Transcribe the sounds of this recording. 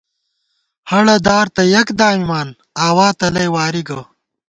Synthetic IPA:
hɐɽɐd̪aːɾt̪ɐjɐkd̪aːmimaːn | aːwaːt̪ɐlɐjwaːɾiɡɐ

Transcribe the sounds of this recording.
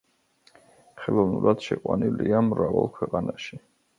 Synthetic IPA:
χɛlˠɔvnuɾad̪̥ʃɛqʼwaniliamɾavalˠkʰwɛqʼanaʃi

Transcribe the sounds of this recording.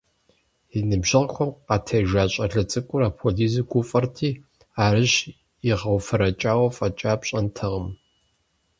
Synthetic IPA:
inɨbʒɨʁxʷɔmqɑtʰɐjʒaːɕʼɐɮɐt͡sʼɨkʷʼʊɾaːpʰoɮiːziɡʷʊfʼɐrtʰiː | aːɾɨɕ | iʁɐwfɐɾɐt͡ʃʼaːwɐfʼɐt͡ʃʼaːpɕʼɐntʰɨʁəm

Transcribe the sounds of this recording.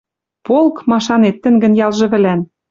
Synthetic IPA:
polˠkmɑʃɑnet̪ːɘ̆ŋɡə̆njɑlʒɤ̆βɘ̆læn

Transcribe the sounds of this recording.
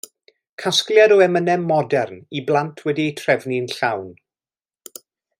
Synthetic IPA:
kʰaskljadɔɛmənɛmːɔdɛrniblˠantʰwɛdietʰrɛvninɬawn

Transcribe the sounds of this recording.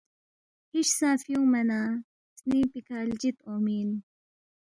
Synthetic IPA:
hiʃsaːfjũːmɐnaː | sniːpikʰaːld͡ʑit̪oːmiːn

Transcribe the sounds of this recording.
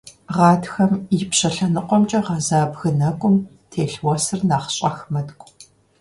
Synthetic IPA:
ʁɑːdxɐmɪpɕɐɬɐnɨqʷɔmt͡ʃʼɐʁɐzaːbɣɨnɐkʷʼʊm | tʰeːɬwɔsɨrnaːχɕʼɐxmɐdkʷʼ

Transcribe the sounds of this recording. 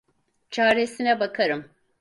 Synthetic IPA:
t͡ʃʰaːɾesinɛbakʰaɾɯm

